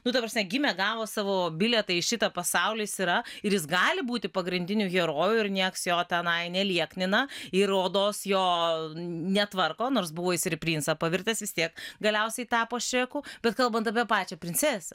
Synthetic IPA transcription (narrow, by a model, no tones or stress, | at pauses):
nʊt̪ɐpɾɐsʲmʲɛɡʲɪmʲɛɡɑːʋoːsɑːʋoːbʲɪlʲɛt̪ɐɪɪʃʲɪt̪ɐpɐsɑʊlʲiːsɪɾɐɪɾjɪs̬ɡɑːlʲɪbuːt̪ʲɪpɐɡɾʲɪnʲd̪ʲɪnʲuːɡʲɛɾoːjuɪrnʲiɛksjoːt̪ʲɛnɐɪnʲɛlʲiɛknʲɪnɐɪɾoːd̪oːsjoː | nʲɛt̪ʋɐrkoːnoːrsbʊʋoːɪsʲɾʲɪpʲlʲiːnsɐpɐʋʲɪrʲt̪ʲeːsʋʲɪst̪ʲiɛkɡɐlʲɛʊsʲɛɪt̪ɑːpoːʃʲɾʲɛkuːbʲɛt̪kɐlˠbɐnt̪ɐp̬ʲiɛpɑːt͡ʃʲɛpʲɾʲɪnʲt͡s̪sʲɛsʲɐ